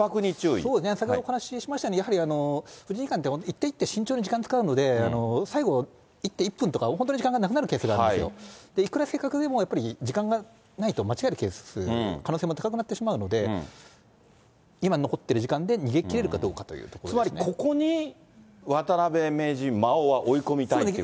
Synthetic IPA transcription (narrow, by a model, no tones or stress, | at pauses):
pakɯ̟ɲit͡ɕɨːḭso̞ːd̪esɨnesakʲeoohanaɕiɕimaɕi̥t̪anejaɦaɾʲiano̞ɸɯ̟d͡ʑĩɲikãnt̪ːeot̪it̪ːeit̪ːeɕĩɲ̟t͡ɕoːɲ̟id͡ʑikãnt͡sɨ̥kaɯ̟no̞d̪e̞ano̞saiɡo̞ | it̪ːeipːɯ̃nt̪o̞kaɦont̪oɲiʑikãŋɡanakɯ̟naɾɯ̟keːsɨɡaɾdesjo̰d̪̥e̞ikɯ̟ɾase̞ːkakɯ̟d̪e̞mo̞japːaɾʲid͡ʑikãŋɡa | nait̪o̞mat͡ɕiɡaeɾɯ̟ke̞ːssɨ̰kʰanoːseːmo̞t̪akakɯ̟nat̪ːe̞ɕimaɯ̟no̞d̪e̞ | imano̞ko̞t̪ːe̞ɾɯ̟ʑikãnd̪e̞ɲ̟iɡe̞kʲiɾe̞ɾɯ̟kad̪o̞ːkat̪o̞̰jɯ̰ːt̪okoɾɨmaɾieko̞ko̞ɲ̟i | βat̪aɾabe̞me̞ːʑimaoβaʔo̞iko̞mʲit̪ae